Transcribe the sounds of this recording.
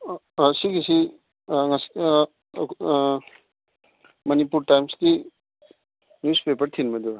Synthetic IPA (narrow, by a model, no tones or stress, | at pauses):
siɡisi | ŋas | mɐnipuɾtajmsdi | njuspepɐɾt̪ʰinmɐd̪uɾa